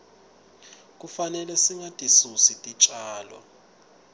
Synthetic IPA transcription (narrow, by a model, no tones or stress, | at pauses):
k̬ʼufanɛlɛsiŋatʼisusitʼit͡ʃʼaːlɔ̰